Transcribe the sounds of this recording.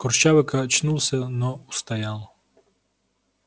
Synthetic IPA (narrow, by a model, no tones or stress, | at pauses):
kɔrʃaʋɪkɐt͡ʃnulˠsʲɐnɔust̪ɐjalˠɔ